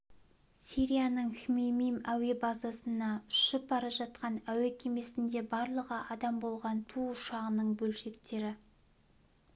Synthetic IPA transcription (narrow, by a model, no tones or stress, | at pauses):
siɾʲijanəɴxʲmemijmæwe̞bɑzɑsənɑʏ̥ʃɪp̚bɑɾɑʒɑt̪̚qɑnæwekʲʰe̞me̞sɪnd̪e̞bɑɾlˠəʁəʔɑd̪ɑmbo̞lˠʁɑnt̪ʰuʊʃɑʁənəɴbɵlʃe̞kt̪e̞ɾɪ